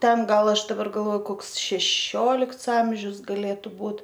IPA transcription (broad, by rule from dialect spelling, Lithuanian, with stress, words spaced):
ˈtʲɛn ˈɡɐlˠ ˈɐʃ dɐˈbɐr ɡɐlˠˈʋoːjʊ ˈkoːks ʃʲɛˈʃʲoːlʲɪkts ˈɐmʲʒʲʊs ɡɐˈlʲeːtʊ ˈbuːt